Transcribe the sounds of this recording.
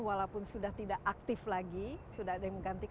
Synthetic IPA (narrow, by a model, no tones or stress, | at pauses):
walapʊnsudaht̪idaʔak̚t̪ɪflaɡisudaadajaŋməŋɡant̪i